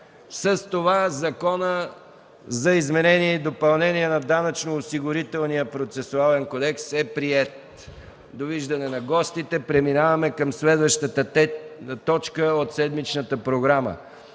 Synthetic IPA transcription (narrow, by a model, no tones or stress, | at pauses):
səst̪ovazɐkɔnə | zɐizmɛnɛniɛid̪opɐlˠnɛniɛnɐd̪anɐt͡ʃnoːsiɡʊɾit̪ɛlˠnijəpɾot̪sɛsʊalɛnkod̪ɛksɛpɾiɛt̪̚ | d̪oviʒd̪ɐnɛnɐɡɔst̪it̪ɛpɾɛminavɐmɛkəmslɛd̪vəʃt̪ət̪ə | t̪ɔt͡ʃkəot̪sɛd̪mit͡ʃnət̪əpɾoɡɾamə̰